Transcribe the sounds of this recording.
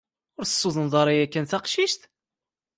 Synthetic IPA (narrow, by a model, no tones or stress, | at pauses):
ʊɾəsːuðˤənðˤɑɾˤɑjækːænθɑqʃiʃt̪